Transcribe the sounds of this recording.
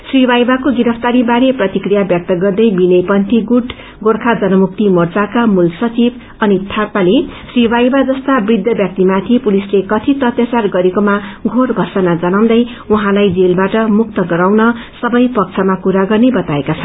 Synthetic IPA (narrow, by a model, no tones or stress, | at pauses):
sribajbakoɡiɾʌpʰt̪aɾibaɾeprʌt̪ikrijabjʌk̚t̪ʌɡʌrd̪ʌjbinʌjpʌnt̪iɡuʈ | ɡorkʰad͡zʌnʌmuk̚t̪imʌrt͡sakamulsʌt͡sib | ʌnit̪ʰapalesribajbad͡zʌst̪abrid̪ʱjʌbjʌk̚t̪imat̪ʰipulislekʌt̪ʰit̪ʌt̪jʌt͡sarɡʌɾekomaɡʱorɡʱʌrsʌnad͡zʌnaw̃d̪ʌj | uɦãlajd͡zelbaʈʌmuk̚t̪ʌɡʌɾawnʌsʌbʌjpʌk̚t͡sʰʌmakuɾaɡʌrnebʌt̪aekat͡sʰʌn